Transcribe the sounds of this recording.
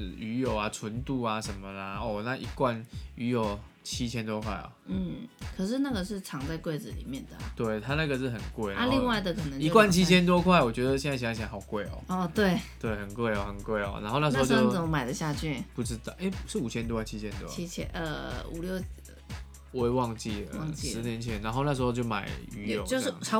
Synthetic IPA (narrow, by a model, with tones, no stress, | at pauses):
y˧˥jo˨˩ʊa˨˩t͡sʰwə˧˦nt̪u˥˧a˨ʂə˧˦nmə˧la˨ɔ˥˧˩na˥˧ʔi˧˥kwa˥˨ny˧˥jo˨˩ʊ | t͡ɕʰi˦t͡ɕʰjɛ˥nt̪wɔ˥kʰwa̰˥˩ɪɔ̰˨˩n̩˥˩kʰə˨˩ʂɻ̩˥˧na˥˩ɡə˨ʂ̬ɻ̩˥˩ʈ͡ʂʰɑ˧˥ŋt͡sa˥˧ɪkwe˥˩ɪd͡zɹ̩˨lḭ˨˩mjɛ˥˩nd̪ə̰˩t̪we˥˩ɪt̪ʰa˥na˥˩ɡə˨˩ʂɻ̩˥˩xə˨˩nkwe˥˩ɪna˥˧li˥˧ŋwa˥˩ɪd̪ə˩kʰɤ˨˩nə˧˦ŋi˧o˥kwa˥˨nt͡ɕʰi˥t͡ɕʰjɛ˥nt̪̬wɔ˥kʰwa˥˩ɪwɔ˨˩t͡ɕɥɛ˧˥d̪ə˨ɕjɛ˥˧n˥˩˧ɕɕja˧˥xɑ˨˩ʊkwe˥˩ɪɔ̰˨˩ɔ˨˩t̪we˥˩ɪt̪we˥˩ɪxə˨˩nkwe˥˩ɪɔ˨˩xə˨˩nkwe˥˩ɪɔ̰˨˩na̰˧˥nxo˥˧na˥˩˧a˧˥o˥˧jt͡sə˨mə˦ma˨ɪdə˦ɕja˥˧t͡ɕʰy˥˩pu˥˩ʈ͡ʂɻ̩˦t̪ɑ˥˩ʔe˥˩ɪʂɻ̩˥˩u˨˩t͡ɕʰɛ˥nt̪wɔ˧˥kʰwa˥˩t͡ɕʰi˦˥t͡ɕʰjɛ˧˥nt̪wɔ̰˥˦i˥t͡ɕʰɛ̰˧ə̰˧ṵ˨˩ljo˥˧ʊ | we˥ɪwɑ˥˧ŋt͡ɕḭ˥˩də̰˩wɑ˧ŋt͡ɕi˥s̩˧˦njɛ˧˦nt͡ɕʰjɛ˧˦na˧˥nxo˥˧na˥˩ʂ̬̩˧˥xo˥˧ʊt͡ɕjo˥˩ma˨˩ɪy˧˥jɔ̰˨˦t͡ɕo˥˧˥